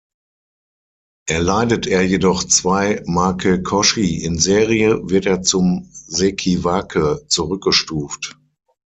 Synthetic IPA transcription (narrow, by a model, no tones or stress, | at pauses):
ʔeɐlaɪdətʔeːɐjedɔχt͡sv̥aɪmakʰəkʰɔʃiɪnzeːʁiəvɪɐteːɐt͡sʊmzekʰivakʰət͡suʁʏk̚ɡ̥əʃtuːft